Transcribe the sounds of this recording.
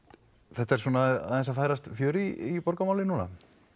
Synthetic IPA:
θɛht̪aɛɾ̥suːnaa̰ðɛnsafaːjɾast̪fjœːɾiipɔɾkamaːwlɪnuːna̰

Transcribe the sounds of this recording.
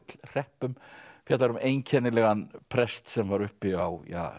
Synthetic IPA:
t̪lr̥ɛhpʏmfjat̪aɾʏmeːjncʰɛnɪlɛɣanpʰɾɛst̪sɛmvaɾʏhpɪawja̰ː

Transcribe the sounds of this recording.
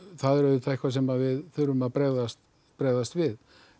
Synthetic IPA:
θaðɛɾœvɪt̪ʰaɪhkvasɛmaðvɪðθʏɾʏmaðpɾɛɣðast̪ | pɾɛɣðast̪vɪð

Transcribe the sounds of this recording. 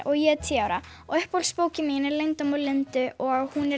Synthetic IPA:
ʔɔɣjɛt̪ʰiːawɾa̰ | ɔɣœhpowlspoːwcɪmiːnɪlejnt̪ɔmawlɪnt̪ʏʔɔɣaɣhunɛ

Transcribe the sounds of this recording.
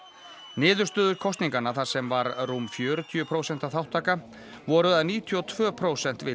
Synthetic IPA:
nɪːðʏ̥st̪œːðʏɾkʰɔst̪niŋkanaθaɾ̥sɛmvaɾrumfjœːɾʏt̪ʰjʏpʰɾoːwsɛnt̪aθawht̪ʰaːka | vɔːɾʏðaðniːt̪ʰjɔt̪ʰv̥œːpʰɾoːwsɛn̥t̪vɪ

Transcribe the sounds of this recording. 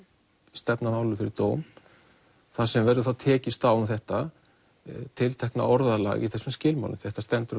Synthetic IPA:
st̪ɛpnaðawlːʏfɪɾɪɾt̪oːwm | θasɛmvɛɾðʏθawt̪ʰɛːcɪst̪awʏmθɛht̪a | t̪ʰɪlt̪ʰɛhkna̰ɔɾðala̰ɣḭθɛsʏmscɪːlma̰wlɪ̰mθɛht̪ast̪ɛnt̪ʏɾ

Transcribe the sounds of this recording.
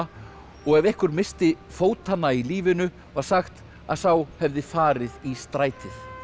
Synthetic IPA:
ɔɣɛvɛhkʏɾmɪst̪ɪfoːwt̪hanːailiːvɪnʏ | vaɾ̥saxt̪ | a̰ðθawhɛvðɪfaːɾɪðist̪ɾaːjt̪ʰɪθ

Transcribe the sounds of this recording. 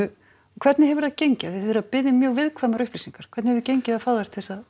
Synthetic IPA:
kʰɛɾt̪nɪɦɛvɾðacejɲcɪaθɾapɪðːɪmjœːɣvɪðkʰvamaɾʏhplisiŋkaɾ̥kʰvɛt̪nhɛvðʏcejɲcɪðafaːwðaɾ̥t̪ʰɪsað

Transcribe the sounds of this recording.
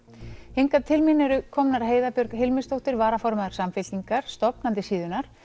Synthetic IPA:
hejŋkat̪ʰɪlmɪnʏɾʏkʰɔmnaɾ̥ɦeːjðapjʏɾkɦɪlmɪst̪owht̪ɪɾvaːɾafɔɾmaðʏɾ̥samfɪlt̪iŋkaɾ̥st̪ɔpnant̪ɪsiːðʏnaɾ̥

